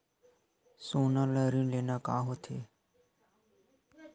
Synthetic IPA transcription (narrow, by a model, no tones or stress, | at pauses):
soːnaːləɾĩnleːnakaːɦoːt̪ʰḛː